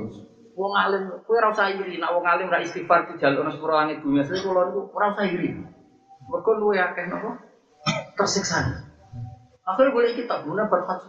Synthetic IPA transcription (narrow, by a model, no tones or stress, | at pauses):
wɔŋalɪmkueɾausaɦiɾinaʔwɔŋalɪmɡaʔist̪ifart̪ud̥ʒ̥a̤liɔɾaspuɾɔlaŋɪt̪̚d̪̥ṳniasaikulɔnikuɾausaɦiɾi | mərkɔluweakɛhnɔkɔ | t̪ərsɪksan | akubolɛkit̪abunab̥arfat̪̚